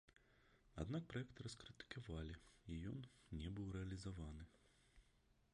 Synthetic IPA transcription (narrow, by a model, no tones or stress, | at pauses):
a̰d̪nak̚pɾajɛk̚t̪ɨɾɐskɾɨt̪ɨ̥kʰavalʲiijɔnnʲɛbɨwɾɛɐlʲizavanɨ